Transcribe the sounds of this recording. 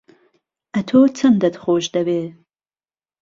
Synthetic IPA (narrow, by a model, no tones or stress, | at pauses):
ʔɐt̪ʰoːt͡sʰɐnd̪ɐt̪χoːʃd̪ɐbeː